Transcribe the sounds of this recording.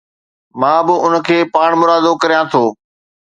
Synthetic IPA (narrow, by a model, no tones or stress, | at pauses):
mãːbɪʊnə̆kʰeːpaːɽ̃mʊɾaːd̪okɐɾijãt̪ʰoː